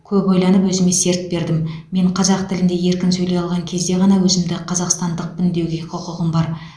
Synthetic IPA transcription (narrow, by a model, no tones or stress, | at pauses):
kʲʰɵpojlˠɑnəpwɵzɪme̞se̞ɾt̪̚be̞ɾd̪ɪmmːe̞ɴqʰɑzɑqt̪ʰɪlɪnd̪e̞je̞ɾkʲɪnsɵjle̞jɑlˠʁɑŋkʲʰe̞zd̪e̞ʁɑnɑwɵzɪmd̪ɪqʰɑzɑqst̪ɑnd̪əq̚bɪnd̪e̞wɡʲe̞qʰʊqʊʁəmbɑɾ